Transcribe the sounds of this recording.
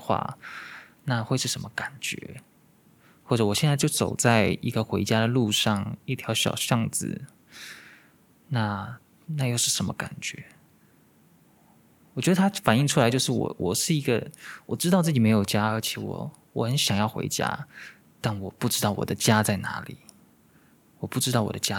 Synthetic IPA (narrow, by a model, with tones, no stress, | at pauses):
xwa̰˥˩ | na˥˧xwe˥˧ɪʂɻ̩˥˩ə˧˥nmə˧ka˨˩nt͡ɕɥɛ̰˧˥ | xwɔ˥˩ʈ͡ʂɤ˧˥wɔ˨˩ɕjɛ˥˧nt͡sa˥˧ɪjo˥˩ʊt͡so˨˩ʊt͡sa˥˧ɪi˧˥ɡə˧xwe˧˥ɪt͡ɕja˥d̪ə˨lu˥˧ʂɑ˥˩ŋi˥˩t̪ʰjɑ˧˥ʊɕjɑ̰˨˩ʊɕjɑ˥˧ŋd͡zɹ̩̰˨˩ | na˥˩ | na˥˧jo˥˧ʊʂɻ̩˥˩ʂə˧˥mə̰˧ka̰˨˩nt͡ɕɥɛ̰˧˥ | wɔ˨˩t͡ɕɥɛ˧˥d̪ə˧t̪ʰa˥fa˨˩ni˥˧ŋʈ͡ʂʰu˥la˧ɪt͡ɕjo˥˧ʊʂɻ̩˥˩wɔ̰˨˩wʔɔ˨˩ʂɻ̩˥˩i˧˥ɡə̰˧wʔɔ˨˩ʈ͡ʂɻ̩̬˥ɑ˥˧ʊt͡sɹ̩˥˩t͡ɕi˨˩me˧˥ɪjo˨˩ʊt͡ɕja˥ə˞˧˥t͡ɕʰjɛ˨˩wɔ̰˨˩ | wɔ˧˥xə˧˦nɕjɑ˨˩ŋjɑ˥˩ʊxwḛ˧˥ɪt͡ɕja̰˥ | t̪a˥˩nwɔ˨˩pu˥˩ʈ͡ʂɻ̩˥t̪ɑ˥˩ʊwɔ̰˨˩d̪ə˦t͡ɕja˥t͡sa˥˩ɪna̰˧˥lḭ˨˩˦ | wɔ˨˩pu˥˩ʈ͡ʂɻ̩˥t̪ɑ˥˩ʊwɔ̰˨˩d̪ə˦t͡ɕja˥